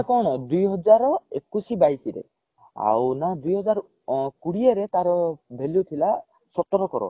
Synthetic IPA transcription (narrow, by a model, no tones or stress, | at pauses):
kɔñd̪ujɦɔd͡ʒaɾɔekusibajsiɾḛ | a̰wnad̪ujɦɔd͡ʒaɾ | kuɽieɾet̪aɾɔbʱelut̪ʰila | sɔt̪ɔɾɔkɔɾɔ̰